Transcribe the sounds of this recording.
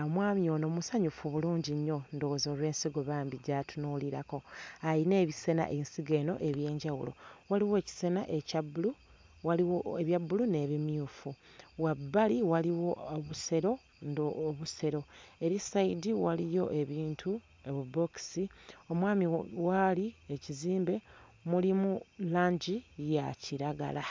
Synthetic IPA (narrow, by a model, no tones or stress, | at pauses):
mwaːmjio̞no̞musaɲufuβuluːɲɟiɲːo̞ndowzoːlwe̞ːnsiɡo̞βaːmbiɟatʰunuːliɾako̞ajine̞ːβise̞na̰ʔensiɡeno̞ʔe̞βje̞ːɲɟawṵlo̞̰waliwe̞ːci̥se̞naʔe̞cabulu | waliwoeβjabulune̞βimjuːfu | wabːaliwaliwo̞oβuse̞ɾo̞ | ndoβuse̞ɾo̞e̞ɾisaidiwalijo̞ʔe̞βiːntʰu | eβubo̞ksio̞mwaːmiwalieciziːmbe̞mulimulaːɲɟijaciɾaɡa̰la